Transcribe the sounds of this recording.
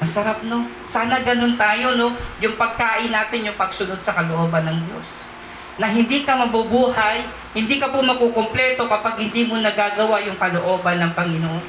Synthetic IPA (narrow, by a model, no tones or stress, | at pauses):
mɐsɐɾap̚no | saːnɐɡɐnont̪aːjo̞no̞jʊŋpɐɡ̚kaːʔɪnːaːt̪ɪnjʊŋpɐɡ̚sʊno̞d̪̚sɐkɐloʔoːbɐnːɐŋd̪jo̞̰s | nɐɦɪnd̪iːkɐmɐbʊbuːhɐj | hɪnd̪iːkɐpʊmɐɡ̚kokomplɛt̪o̞kɐpaɡ̚hɪnd̪iːmonɐɡaːɡɐwajʊŋkɐloʔo̞ːbɐnːɐŋpɐŋɪnoʔon